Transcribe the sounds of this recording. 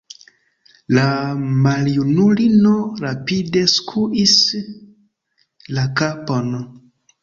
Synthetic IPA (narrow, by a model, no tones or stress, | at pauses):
lamaljunulinoɾapide̞skʰuʔis | lakapon